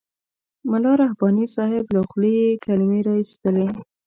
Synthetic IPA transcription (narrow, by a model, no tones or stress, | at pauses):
mʊlɑɾahbɑnisɑhɪblaxlejekalɪmeɾɑist̪əle